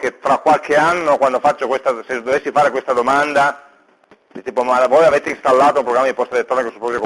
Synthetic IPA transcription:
ket̪ɾakːwalkeanːokwand̪ofat͡ʃːokwest̪ased̪ːovesːifaːɾekwest̪ad̪omand̪a | d̪it̪iːpomavɔjavet̪einst̪alːaːt̪oumpɾoɡamːad̪ipɔst̪ad̪ilet̪ːɾɔːnekesːu̥pːɔsok

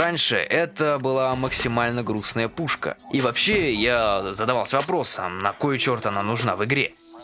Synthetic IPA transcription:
anʲʂɨ̰ʔɛt̪əbɨlˠaməksʲɪmalʲnəɡɾusnəjəpuʂkə̰ivɐpɕːejazəd̪ɐvalˠsʲəvɐpɾo̞sə̰mnɐko̞jʊt͡ɕo̞rt̪ɐnanʊʐnavɨɡɾʲe

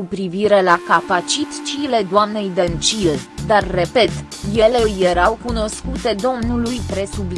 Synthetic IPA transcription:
upɾiviɾe̞lakapat͡ʃit̪i̥t͡ʃile̞d̪oamne̞jd̪ent͡ʃild̪arːe̞pe̞t̪ | je̞le̞je̞ɾawkuno̞skut̪e̞d̪o̞mnulujpɾe̞subl

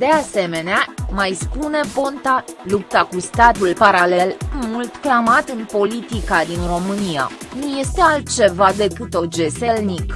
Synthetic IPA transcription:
d̪̥e̞ase̞me̞neamajspune̞bo̞nt̪alup̚t̪akust̪at̪ulpaɾale̞lmult̪klamat̪ɨnpo̞lit̪ikad̪inro̞mɨnija̰nuje̞st̪e̞alt̪̚t͡ʃe̞vad̪e̞kɨt̪o̞d͡ʒe̞se̞lnik

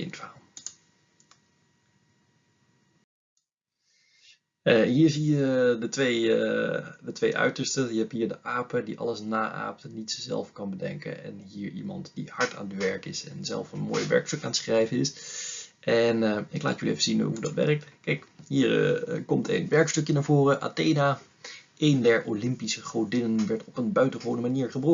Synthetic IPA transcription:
ɪ̰ntaːlˠ | əɦiːɹzijədətʋej | dətʋejʔœ̰ɥtəɹstəjəɦɛpɦiːɹdəʔaːpədiʔɑ̰lˠəsnaːʔa̰ːp̚tənitsəzɛ̰lˠfkɑnbədɛ̰ŋkə̰nɛ̰nɦiːɹimɑ̰ntd̥ihɑɹtʰa̰ːnətʋɛɹkɪsɛ̰nzɛ̰lˠfənmo̰ːjʋɛ̰ɹkstɵkaːnətsχrɛjvəɪs | ʔɛnəɪkla̰ːtjyliejvəzinɦudɑtʋɛ̰rək̚tkɛjkɦiːɹkɔmtḛnʋɛɹkstɵkjənaːɹvoːrəʔa̰ːtejnaː | ʔejndɛɹolɪmpisəχrowdɪnənʋɛɹtɔpənbœɥtəχəʋownəmaniːɹχəbrɔ

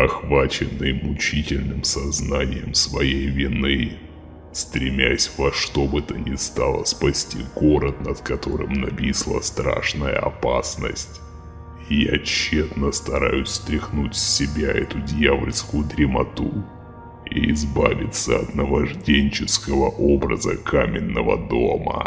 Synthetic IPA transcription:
ɐxvat͡ɕɪnːɨjmʊt͡ɕitʲɪlʲnɨmsɐznanʲɪjəmsvɐjejvʲɪnɨ | st̪ɾʲɪmʲæsʲvɐʂt̪o̞bɨt̪ənʲɪst̪alˠə̰spɐsʲtʲiɡo̞ɾət̪nət̪kɐt̪o̞ɾɨ̰mnɐpʲislˠə̰st̪ɾa̰ʂnəjə̰ɐ̰pasnə̰sʲtʲ | ɪjat͡ɕːet̪nəst̪ɐɾajʊsʲst̪ɾʲɪxnutʲsʲɪbʲaɛt̪ʊdʲjavlʲskʊjʊd̪ɾʲɪmɐt̪u | iɪzbavʲɪt̪səɐt̪nəvɐʐdʲenʲt͡ɕɪskəvəʔobɾəzəkʰamʲɪnːəvə̰d̪o̞mə̰

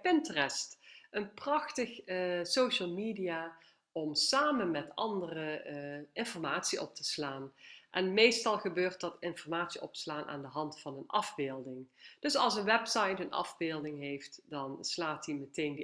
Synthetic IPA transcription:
pɪntərɛstʔənprɑxtəxsowʃəlˠmiːdijaː | ɔmsaːmənmɛtɑ̰ndərəɪnfɔrmaːtsiʔɔ̰p̚tə̥slaːnʔɛnmejstɑlˠχəbøːrt̚dɑtɪnfɔrmaːtsiʔɔpslaːnʔa̰ːndəɦɑntfɑnənʔɑvbɪːlˠdɪŋd̥ɵsɑlˠsənʋɛpsɑjtənʔɑ̰vbɪːlˠdɪŋɦejftd̥ɑnslaːtdimətejnd

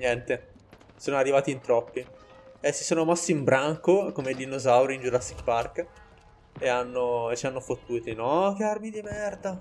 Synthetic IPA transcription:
ɲjɛnt̪e | soːnoarːivaːt̪int̪ɾɔpːi | esːi̥soːnomasːiimbɾaŋkokomed̪inːozawɾind͡ʒuɾasikpark | eanːoet͡ʃːianːofot̪ːuːt̪inɔk̟earmid̪imɛrd̪a

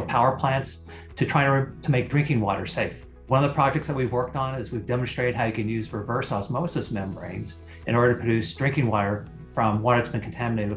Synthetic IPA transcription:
pʰaʊə˞pʰl̥æ̃nts | tʰɨtʰɹ̥aɪɨ̃ntʰəmeɪk̚dɹɪ̃ŋkɪ̃ŋwɔ̰ɾə̰˞seɪf | wʌ̃nʌvðəpʰɹ̥ɑd͡ʒɛk̚tsðət̚wivwɜ˞k̚tn̩ɪzwivdɛmn̩stɹ̥eɪɾɨd̚ɦaʊjɨkɨ̃njʉzɹɨvɜ˞sɔsmoʊsɨsmɛ̃mə˞ḛ̃ɪ̃nz | ʔɨ̃ñɔɹɾə˞ɨpʰɹ̥ɨdʉsd̥ɹɪ̃ŋkɪ̃ŋwɔɾə˞ | fɹʌ̃mwɔɾɨtsb̥ɨ̃nkʰn̩tʰæmɨneɪɾ

